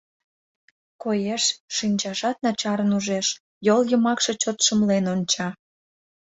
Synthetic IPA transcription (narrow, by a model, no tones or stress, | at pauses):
kojeʃːinʲt͡ɕɑʒɑt̪̚nɑt͡ɕɑɾənuʒeʃ | joljəmɑkʃet͡ɕot̪ʃəmlenonʲt͡ɕɑ